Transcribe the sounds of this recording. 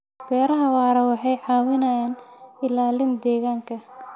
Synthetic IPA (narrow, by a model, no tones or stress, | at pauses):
b̥ɛːɾɐɦɐwaːɾɐwɑħɑjʕɑːwɪnɐjaːnɪlaːlɪnd̪ɛːɣaːŋkʰɐ